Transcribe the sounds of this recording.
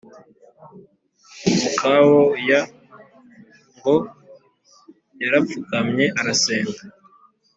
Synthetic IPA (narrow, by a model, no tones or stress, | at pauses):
kʰawoja | ŋɡo | jaɾap̪fukamɲe̞ʔaɾaseːŋɡa